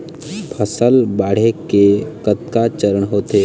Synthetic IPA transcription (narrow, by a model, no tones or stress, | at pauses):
pʰəsəlbaːɽ̤ekekət̪kat͡ʃəɾəɳɦoːt̪eː